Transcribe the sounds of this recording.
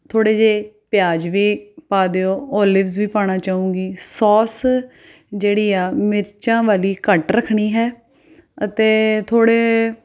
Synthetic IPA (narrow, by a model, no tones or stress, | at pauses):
t̪ʰoːɽeːd͡ʒeːpɪjaːd͡ʒʋiːpaːd̪eːoːɔːlɪʋzʋiːpaːɽ̃aːt͡ʃaːũːɡiːsɔːs | d͡ʒeːɽiːaːmɪɾt͡ʃãːʋaːliːkəʈɾəkʰːɽiːɦɛː | ət̪eːt̪ʰoːɽeː